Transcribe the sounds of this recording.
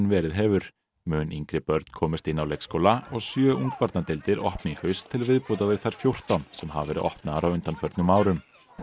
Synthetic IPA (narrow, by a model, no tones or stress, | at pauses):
nvɛːɾɪðɦɛvʏɾ̥ | mʏniŋkɾɪpœɾt̪n̥kʰɔːmɪst̪ɪnːawlɛjkskɔwlaɔɣsjœːʔuŋk̚paɾt̪nat̪ɪlt̪ɪɾɔ̰hpniŋhʏst̪ʰːɪlvɪðpuːt̪avɛɾɪ̥θaɾ̥fjowr̥t̪awnsɛmɦavavɛːɾɪ̰ʔɔ̰hpnaðaɾawʏnt̪anfœɾt̪nʏmːaːwɾʏm